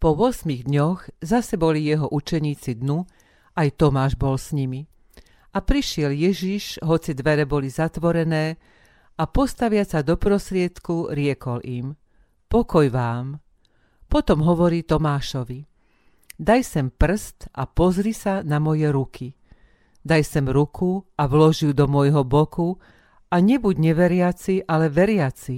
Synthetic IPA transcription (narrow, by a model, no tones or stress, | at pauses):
pɔʋʊɔsmiɣd̪ɲɔɣzasɛbɔlijɛɦɔʔut͡ʃɛɲiːt͡sid̪nu | ajt̪ɔmaːʒbɔlsɲimi | apɾiʃɪɛljɛʒiʃɦɔt͡sid̪ʋɛɾɛbɔlizat̪ʋɔɾɛnɛː | apɔst̪aʋɪat͡sad̪ɔpɾɔst̪ɾɪɛt̪kuɾɪɛkɔlim | pɔkɔjʋaːm | pɔt̪ɔmɦɔʋɔɾiːt̪ɔmaːʃɔʋi | d̪ajsɛmpr̩st̪ʔapɔzɾisanamɔjɛɾukʰi | d̪ajsɛmɾukʰuaʋlɔʒiwd̪ɔmɔjɦɔbɔku | aɲɛbuɟɲɛʋɛɾɪat͡siʔalɛʋɛɾɪat͡si